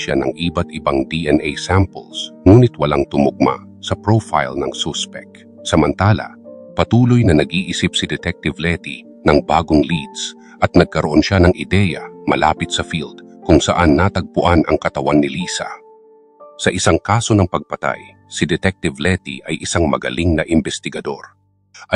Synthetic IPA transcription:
ʃanɐ̰ŋʔiːbɐt̪ɪbaŋd̪iʔɛnʔejsampɛlsŋuːnɪt̪wɐlaŋt̪ʊmʊɡ̚ma̰ | sɐpɹofa̰jlnɐŋsɔspɛk̚ | sɐmɐnt̪aːlɐ̰ | pɐt̪uːlojnɐnɐɡʔiʔisɪpsɪd̪ɛt̪ɛk̚t̪ɪvlɛt̪i | nɐŋbaːɡoŋlid̪s | ʔɐt̪̚nɐɡ̚kɐɾoʔo̞nʃanɐŋʔɪd̪ɛːjɐ̰mɐla̰ːpɪt̪sɐfild̪kʊŋsɐ̰ʔanːat̪ɐɡ̚pʊʔanʔɐŋkɐt̪ɐwanːɪliːsɐ̰ | sɐʔɪsaŋkaːso̞nɐŋpɐɡ̚pɐt̪a̰j | sɪd̪ɛt̪ɛk̚t̪ɪvlɛt̪ḭʔɐjʔɪsaŋmɐɡɐ̰lʔiŋnɐʔɪmbɛst̪ɪɡɐd̪o̞̰ɾ | ʔɐ

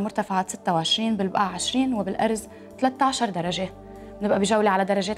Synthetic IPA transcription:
mʊɾt̪afaʕasɪt̪ːawʕɪʃɾiːnbɪlbʔaʕɪʃɾiːnwɪbɪlʔɑ̰ɾˤz | t̪alat̪ːaʕʃɑɾˤd̪ɑɾˤɑʒe | bnɪbʔabiʒawːliʕalad̪ɑɾˤːɑʒeːt̪

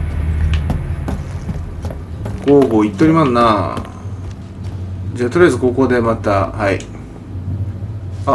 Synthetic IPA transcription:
ɡ̥oːɡoːit̪ːoɾʲimanna | d͡ʑaːt̪oɾʲiazɨkoːkoːd̪e̞mat̪ahai | a

